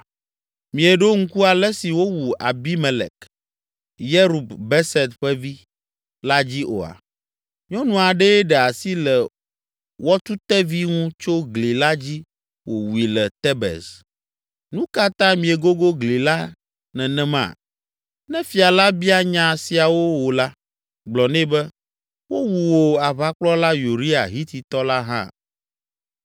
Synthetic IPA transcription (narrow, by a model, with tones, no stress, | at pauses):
mĩ˨e˨ɖo˦ŋ̩˦ku˦a˨lɛ˦si˨wo˦wu˨ʔa̰˨bi˦mɛ˨lɛ̰˨k | jɛ˦ɾu˨bbɛ˦sɛ˨t̪ɸɛ˦vi˦ | la˦d͡ʑi˦ʔo̰˨a̰˨ | ɲɔ̃˦nũ˨a˨ɖɛ˦ɖɛ˨a˨si˦lɛ˨ | wɔ˦t̪u˦t̪ɛ˦vi˦ŋũ˦t͡ʃo˦ɡli˨la˦d͡ʑi˦ | wo˨wu˨i˨lɛ˨t̪ɛ˦bɛ̰˨s | nũ˦ka˦t̪ã˦mĩ˨e˨ɡo˦ɡo˦ɡli˨la˦ | nɛ̃˨nɛ̃˦mã̰˨ | nɛ̃˦fi˨a˨la˦bi˦a˦ɲã˨si˨a˨wo˦wo˨la˦ | ɡ͡blɔ˨nɛ̃˦bɛ˦ | wo˦wu˨wo˨a˨βa˦k͡plɔ˦la˦ju˨ɾi˦a̰˨ɦi˦t̪i˨t̪ɔ˦la˦ɦã̰˦